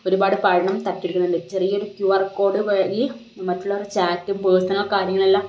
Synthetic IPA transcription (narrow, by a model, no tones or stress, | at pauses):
o̞ɾubaːɽɨpɐɻɐɳɐmt̪ɐʈːiɽikʲːunːɐnɖɨt͡ɕerijːɐoɾukjuʋɐrkːo̞ːɖɨʋeːɡi | mɐtːuɭːɐorut͡ɕaːtːumpoːsɐnɐɭkaːɾjɐŋːɐɭelːɐ